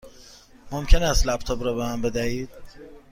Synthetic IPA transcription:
momcʲʰe̞næst̪læb̚t̪ʰɒːbɾɒːbemæmbe̞d̪æhiːd̪̥̚

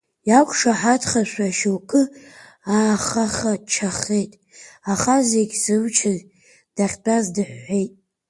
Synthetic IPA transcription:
jakʷʰʼʂaħatʰχaʃʷaʃowkʼɨ | aːχaχat͡ʃʰaχe̞jtʼ | aχazeɡʲzɨmt͡ʃʰɪz | d̥aχʲt͡pʼazdɨħʷːejtʼ

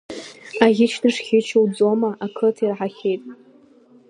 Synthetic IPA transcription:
aʁʲɪt͡ʃʰdɨʂχʲɪt͡ʃʰowd͡zo̞maʔakʰɨtʰirʕaχʲejtʼ

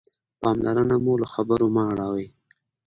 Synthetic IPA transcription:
pɑmlaɾənamulaxabəɾomaɽɑɣi

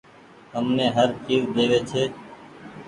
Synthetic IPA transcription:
ɦəmnẽːɦəɾt͡ʃiːzd̪eːʋeːt͡ʃʰeː

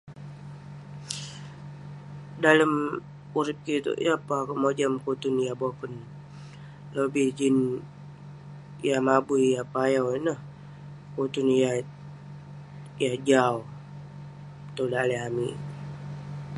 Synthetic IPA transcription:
daləm | uɾɪp̚kit̪ṵʔjapakəmod͡ʒamkut̪unjabokən | lobid͡ʒin | jamabujapajawinəh | kut̪unja | jad͡ʒau | t̪odaːleɦami

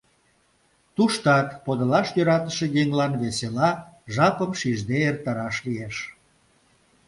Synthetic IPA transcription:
t̪uʃt̪ɑt̪pod̪əlɑʃjøɾɑt̪əʃejeŋlɑnβeselɑʒɑpəmʃiʒd̪eert̪ɑɾɑʃlieʃ

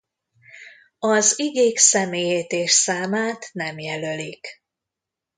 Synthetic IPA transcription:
ɒziɡeːksɛmeːjeːt̪eːʃsaːmaːt̪nɛmjɛlølik

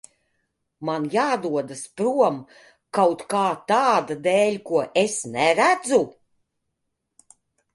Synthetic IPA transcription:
manjaːd̪uɔd̪aspɾuɔm | kawt̪kaːt̪aːd̪ad̪ɛːlʲkuɔʔesnɛɾæd̪zu

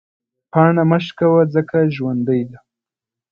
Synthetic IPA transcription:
pɑɳaməʃkawad͡zəkaʒwand̪əjd̪a

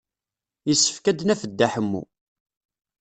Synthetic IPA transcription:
jəsːə̥fkæd̪næfəd̪ːæħəmːṵ

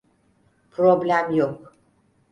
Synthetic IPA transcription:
pʰɾoblʲæmjok

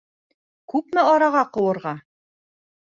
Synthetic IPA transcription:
kʉpmɘɑɾɑʁɑqɤ̆wɤ̆ɾʁɑ

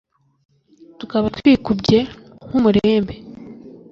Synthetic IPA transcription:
tukaβatwiːkubɟe̞ | ŋ̥umuɾeːmbe̞

